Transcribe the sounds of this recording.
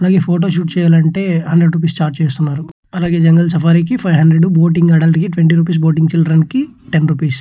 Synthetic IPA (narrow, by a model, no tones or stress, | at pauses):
ɐlaːɡe̞ːpʰoːʈ̬oːʃ̬uːʈt͡ʃɛːjaːlɐɳʈe̞ːɦɐnɖɾeɖɾuːp̬iːsʈaːɾʈ̚t͡ʃeːst̪unːaːɾu | ɐlaːɡe̞ːd͡ʒɐŋɡɐlsɐpʰaːɾikipʰɐjɦɐɳɖɾeɖuboːʈ̬iŋɡɐːɽɐlʈikiʈʋeɳʈiːɾuːp̬iːs̬boːʈiŋɡt͡ʃilɖɾɐnkiʈenɾuːpiːs